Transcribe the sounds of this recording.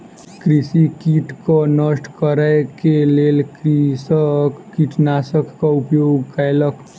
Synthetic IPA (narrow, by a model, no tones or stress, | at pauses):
kɾisikiːʈkonəsʈkəɾəjkeleːlkisəkkiːʈnaːsəkːaʊpjoːɡkajlək